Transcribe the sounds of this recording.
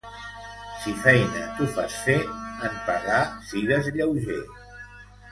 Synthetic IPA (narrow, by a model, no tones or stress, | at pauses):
sifɛjnə̰t̪ufa̰sfeəmpaɣasiɣəzʎəwʒḛ